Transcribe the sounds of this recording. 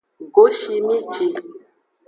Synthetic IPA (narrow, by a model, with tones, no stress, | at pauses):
ɡo˨˦ʃi˧mĩ˦t͡ʃi˧